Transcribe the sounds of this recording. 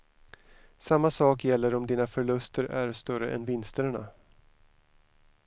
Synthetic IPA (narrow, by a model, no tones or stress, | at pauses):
samːasɑːkjɛlːəɾɔmd̪iːnafœɭɵst̪ʰəɾæɾst̪œɾə̰ʔɛ̰nvɪnst̪əɳa̰